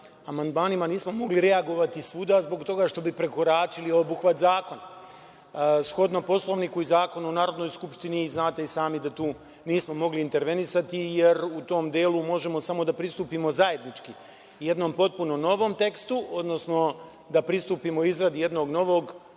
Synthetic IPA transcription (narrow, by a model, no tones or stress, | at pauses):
amand̪maːnimaniːsmo̞mo̞ɡliɾe̞aɡo̞ʋat̪isʋud̪azbo̞kt̪o̞ɡaʃt̪o̞bipɾe̞ko̞ɾaːt͡ʃiliobuxʋat̪zaːko̞na | sxo̞d̪nopo̞slˠo̞ʋnikuizaːko̞nuonaːɾo̞d̪no̞jskupʃt̪iniːznaːt̪eisaːmid̪at̪uː | niːsmo̞mo̞ɡliːnt̪e̞ɾʋe̞nisat̪ije̞ɾut̪o̞md̪jeːlˠumo̞ʒe̞mo̞samo̞d̪apɾist̪uːpimo̞zaje̞d̪nit͡ʃki | je̞d̪no̞mpo̞t̪̚puno̞no̞ʋo̞ːmt̪e̞kst̪uʔod̪no̞sno̞ | d̪apɾist̪upimoizɾad̪ije̞d̪no̞ɡno̞ʋo̞ːɡ